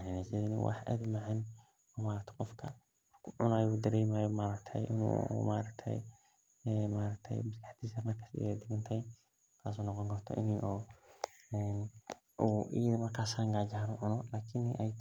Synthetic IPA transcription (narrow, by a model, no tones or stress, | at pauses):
ʕɪnasɛdnɪ̰wʔɑ̰ħʔɛ̰ːd̪mɐʕɛn | ɔːmaːɾɐkt̪ʰqɔfkʰɐ | kʰʊʕʊnaːjɔuːd̪ɐɾɛːjmaːjɔmaːɾɐɡt̪ʰɛjʔɪ̰nṵmaːɾɐɡt̪ʰɛ̰j | ɛmaːɾɐɡ̚t̪ʰɛ̰jbɪskʰaħt̪ʰiːsɐmɐrkʰaːsɪ̰wɛd̪ɪɡɐnt̪ʰɛj | t̪ʰaːs̬uːnɔqɔŋkʰɐrt̪ʰɔ̰ʔɪ̰niʔɔ | ɛn | uʔḭðɐmɐrkʰaːsaːŋɡaːd͡ʒahanuʕʊnɔlaːkʰɪnʔɛj